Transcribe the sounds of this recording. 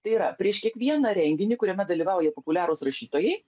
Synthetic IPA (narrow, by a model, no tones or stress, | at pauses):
t̪ɐɪiɾɐpʲɾʲiɛʃkʲiɛkʋʲiɛnɐɾʲɛŋʲɡʲɪnʲɪkʊɾʲɛmʲɛd̪ɐlʲiːʋɑʊjɛpopʊlʲæːɾoːsɾɐʃʲiːt̪oːjɛɪ